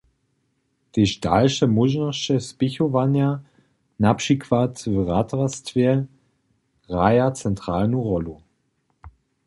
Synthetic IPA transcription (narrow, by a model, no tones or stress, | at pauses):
d̥iːʃtalʃəmʊʒnəʃəspɪçovanja | napʃikʰv̥atvʁatʁastv̥e | ʁaɪɐt͡sɛntʁ̥aːlnuʁɔlu